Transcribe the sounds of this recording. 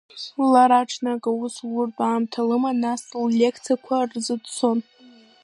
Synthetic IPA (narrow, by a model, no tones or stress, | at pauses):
laɾaʈ͡ʂʰnakʼauswʊrtʼaːmtʰalɨmanasllʲekʰt͡sʰikʷʰarzɨdt͡sʰon